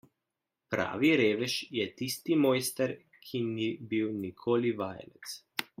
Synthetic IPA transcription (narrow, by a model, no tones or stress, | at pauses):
pɾa̰ːʋiɾeːʋɛʃjɛt̪ist̪imɔːjst̪ɛɾ | kʰinibiwnikʰoːliʋaːj̰lɛt̪s